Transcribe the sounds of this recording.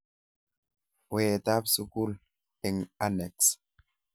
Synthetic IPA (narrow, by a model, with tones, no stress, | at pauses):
weː˨ta˦psu˦ku˦l | ɛ˨ŋa˦nɛ˨ks